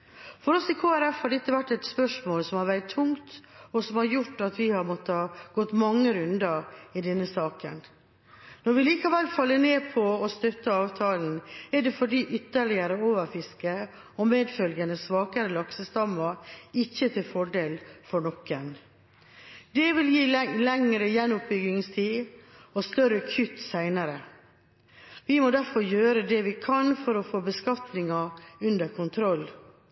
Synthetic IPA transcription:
fɔɾɔsɪkʰoːæɾɛfhɑɾɖ̪ɛt̪ːəʋæʈːɛt̪spœʂmoːlsɔmhɑɾʋæɾɪt̪ʰːʊŋt̪ɔsɔmhɑɾjʊʈːɑt̪ʋɪhɑɾmɔt̪ːəhɑːɡ̥ɔt̪ːmɑŋːəɾʉnd̪ɑɾɪd̪ɛnːəsɑːkə̰n | nɔɾʋɪliːkɑʋɛlːfɑlːəneːpʰɔɔst̪œt̪ːəɑːʋt̪ʰɑːln̩ɛɖɛfɔɖiːʔʏt̪ːəɭɪəɾəoːʋəɾfɪskə | ɔmeːd̪fœlɡənəsʋɑːkəɾəlɑksəst̪ɑmːɑɪçːət̪ʰɪlfɔɖeːlfɔɳɔkːən | d̪ɛʋɪljiːlɛŋɾəjɛnːʊp̚bʏɡɪŋst̪ʰiːɔst̪œɾəkʰʉt̪sæɪnəɾə | ʋɪmɔd̪æɾfɔɾjøːɾəd̪ɛʋɪkʰɑnfɔɾɔfoːbəskɑt̪nɪŋɑʉnd̪əɾkʰʊnt̪ʰɾɔlː

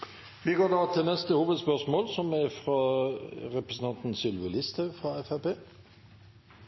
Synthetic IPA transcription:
ʋɪɡoːd̪ɑːt̪ʰɪlnɛst̪əhuːʋəd̪spœʁʂmoːlsɔmɛfɾɑ | ɾɛpɾəsn̩t̪ɑnt̪nsʏlʋəlɪst̪ʰɑfɾɑɛfæpeː

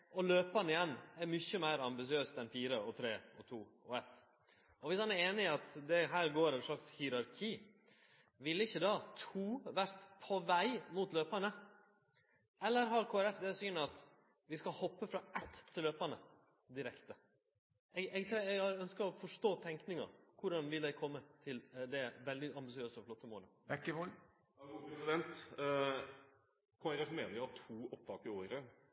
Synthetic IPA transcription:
ɔløːpɑnɪjɛnːæɾmʏçəmæɪɾɑmbɪsɪøːst̪ɛnfiːɾəɔt̪ʰɾeːɔ̰t̪ʰuːɔɛt̪ː | ɔʋɪshɑnæɾeːnɪɑt̪d̪ɛɦæːɾɡoːɾɛnʂlɑkshɪɾɑɾkʰiː | ʋɪlɪçːəd̪ɑːt̪ʰuːʋæɾt̪pʰɔʋæɪmuːt̪løːpɑnə | ɛlːəɾɦɑɾkʰoːæɾɛfd̪ɛsyːnəɑt̪ | ʋɪskɑhɔpːəfɾɑɛt̪ːt̪ʰːɪlːøːpɑnə | d̪ɪɾɛkt̪ə | ɛɡɛɡt̪ʰɾɛɛɡhɑɾœnskəɾɔfɔʂʈoːt̪ʰɛŋknɪŋɑ̰kʰʊɖɑnʋɪld̪ɛɪkʰɔmːət̪ʰɪld̪ɛʋɛld̪ɪɑmbɪsɪøːsəɔflɔt̪ːəmoːləɛkːəʋolː | pɾɛsɪd̪ɛnt̪ | kʰoːæɾɛfmeːnəɾʊhɑt̪ʰuːɔp̚t̪ʰɑːkəɾoːɾə

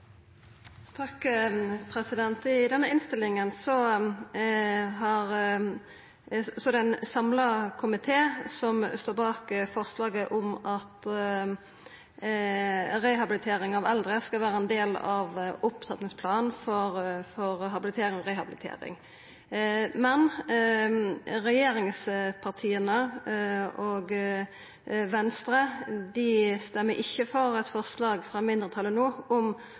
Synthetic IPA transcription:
t̪ʰɑkpʰɾɛsɪd̪ɛnt̪ɪd̪ɛnːəɪnst̪ɪlːɪŋənsɔ | ɦɑʁ | sɔd̪ɛnsɑmlɑkʰʊmɪt̪ʰeːsɔmst̪oːbɑːkfɔʁslɑːɡəʔʊmɑt̪ | ɾɛhɑbɪlɪt̪ʰeːɾɪŋɑʋɛld̪ʁəskɑlʋæːɾəɛnd̪eːlɑʋʊpt̪ʰɑt̪nɪŋspʰlɑːnnfɔɾfɔʁɦɑbɪlɪt̪ʰeːɾɪŋɔʁɛhɑbɪlɪt̪ʰḛːɾɪ̰ŋ | mɛn | ʁɛjeːɾɪŋspʰɑʁt̪ʰiːənə | ʔoːɡ | ʋɛnst̪ɾəd̪ɪst̪ɛmːəʔɪçːəfɔɾɛt̪fɔʁslɑːɡfɾɑmɪnd̪ʁət̪ʰɑlənoːʊm

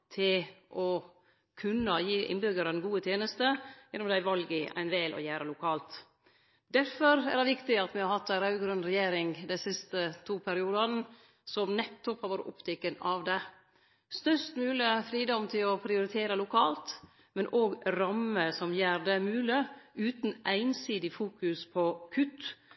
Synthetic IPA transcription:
t̪ʰɪlʔɔ | kʰʉnːəjiːʔɪ̰nbʏɡəɾənɡuːət̪ʰjeːnəst̪əjɛnːʊmd̪æɪʋɑlɡəæ̰ɪnʋɛːlʔɔ̰jæːɾəlʊkʰɑːlt̪ | d̪æɾfɔɾæ̰dɛʋɪkt̪ɪɑt̪mɪhɑɾhɑt̪ːæɾɑʉɡɾʉnɾɛjeːɾɪŋd̪ɛnsɪst̪ət̪ʰuːpʰæɾɪuːd̪ɑn | sɔmnɛt̪ːʊphɑɾʋoːɾə̰ʔɔ̰pt̪ʰɛkːənɑʋd̪ɛ | st̪œʂt̪mʉːlɪəfɾiːd̪ɔmt̪ʰɪlɔpʰɾɪʊɾɪt̪ʰeːɾəlʊkʰɑːlt̪ | mɛnʔoːɡɾɑməsɔmjæːɾɖ̪ɛmʉːlɪʉːt̪n̩ʔæɪnsiːd̪ɪfuːkʉspʰɔkʰʉt̪ː

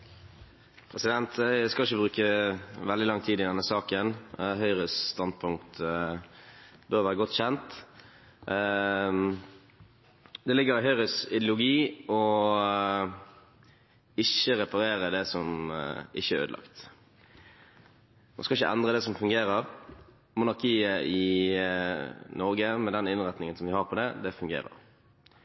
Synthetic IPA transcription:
pʰʁɛsɪd̪ɛnt̪skɑlɪçəbʁʉːkəʋɛld̪ɪlɑŋːt̪ʰiːd̪ɪd̪ɛnːəsɑːkənɦœʏʁəsst̪ɑnd̪̚pʰʊŋkt̪ | bøːʁɾʋæːʁəɡɔt̪ːçɛnt̪ | d̪ɛlɪɡəɾɪɦœʏʁəsɪd̪ɪlʊɡiːɔ | ɪçəʁɛpɑɾeːʁəd̪ɛsɔmʔɪçəɾø̰ːd̪lɑ̰kt̪ | nṵskɑɪçəʔɛnd̪ʁəd̪ɛsɔmfʉŋɡeːʁəɾ | mʊnɑʁkʰiːəɪ | nɔɾɡəmɛd̪ɛnɪnʁɛt̪nɪŋənsɔmʋɪhɑʁpʰɔd̪ɛd̪ɛfʉŋɡḛːʁə̰ʁ

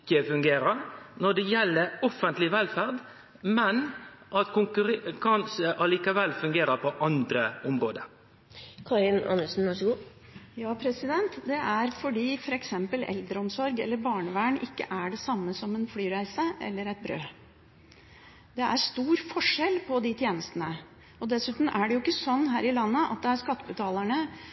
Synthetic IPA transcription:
kːəfʉŋɡeːɾənɔɖ̪ɛjɛlːəɾɔfənt̪lɪʋɛlfæʁd̪ | mɛnʔɑt̪kʰʊŋkɾkʰɑnsəʔɑliːkəʋɛlfʉŋɡeːɾəpʰɔʔɑnd̪ɾəʊmɾoːd̪ə | kʰɑɾɪnɑ̰nːəʂn̩ʋæʂəɡuː | jɑːpʰɾɛsɪd̪ɛnt̪d̪ɛʔæɾfɔɖiːfɔɾɛksɛmpəlʔɛ̰ld̪ɾəɔmsɔɾɡɛ̰lːəɾbɑːɳəʋæːɳʔɪ̰kːə̰ʔæɖɛsɑmːəsɔmɛnflyːɾæɪsəʔɛ̰lːəɾɛɪt̪̚bɾø̰ː | d̪ɛʔæɾʂt̪uːɾfɔʂɛlpʰɔd̪ɪt̪ʰjeːnəst̪ənə | ɔd̪ɛsʉːt̪n̩ʔæɖɛjʊɪkːəsɔnːɦæːɾɪlɑnːəʔɑ̰t̪̚d̪ɛæɾʂkɑt̪ːəbʉt̪ʰɑːlæɳə

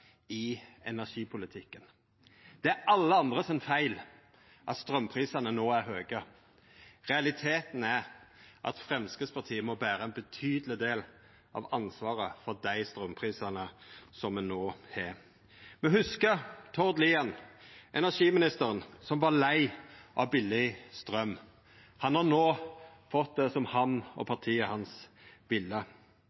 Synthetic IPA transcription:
ɪɛnæʂiːpʰʊlɪt̪ʰɪkːən | d̪̥ɛæɾɑlːəɑnd̪ʁəsɛnfæɪl | ʔɑ̰t̪st̪ɾœmːpʰʁiːsənənoːæɾɦøːɡə | ʁɛɑlɪt̪ʰeːt̪n̩æɾʔɑ̰t̪fʁɛmskəspʰɑt̪ʰiːəmɔbæːɾəɛnbət̪ʰyːd̪əlɪd̪eːl | ʔɑ̰ʋɑnsʋɑːɾəfɔɾd̪æɪst̪ɾœmpʰʁiːsənəsɔmɛnoːhɛ | mɛhʉskət̪ʰɔd̪liːɑnʔɛnæʂiːmɪnɪst̪əɾənsɔmʋɑɾlæɪʔɑʋbɪlɪst̪ʁœm | hɑnhɑnoːfɔt̪̚d̪ɛsɔmhɑnɔ̰pʰɑt̪ʰiːəhɑnsʋɪlːə

